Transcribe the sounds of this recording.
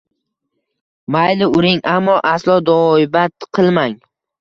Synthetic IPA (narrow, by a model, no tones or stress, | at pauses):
majlɪʊɾɪŋamːɒʔaslˠɒd̪ɒɪbat̪qʰɨlˠmaŋ